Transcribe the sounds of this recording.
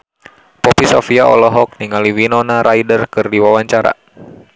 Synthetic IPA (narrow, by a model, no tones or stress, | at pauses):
pɔpisɔfiaɔ̰lɔɦɔk̚niŋaliwinɔnaɾaidərkɨrdiwawaɲt͡ʃaɾa̰